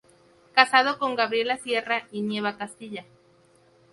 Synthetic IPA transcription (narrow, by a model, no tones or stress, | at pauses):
kasað̞o̞ko̞ŋɡaβɾje̞lasje̞rainje̞βakast̪iʝa